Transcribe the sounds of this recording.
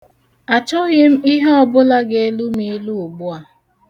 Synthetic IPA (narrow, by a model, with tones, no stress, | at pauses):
a˨t͡ʃɔ˦ɣɪ˦m̩˦i˦ɦe˦ɔ˦bʊ˦la˦ɡe˦e˦lu˦mi˦lu˦u˨ɡ͡bu˦a˨